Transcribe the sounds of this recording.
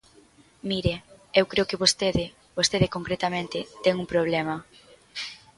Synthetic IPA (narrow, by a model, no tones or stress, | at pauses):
miɾeewkɾeʊokɪβost̪eðɪ | bost̪eðɪkoŋkɾet̪ɐmẽnt̪ɪt̪ɛŋuŋpɾoβ̞lɛmɐ